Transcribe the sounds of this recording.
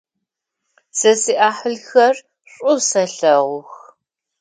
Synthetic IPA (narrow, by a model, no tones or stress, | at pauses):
sɐsiːʔaːħəɮxɐr | ɕʼʊsɐɬɐʁʷʊx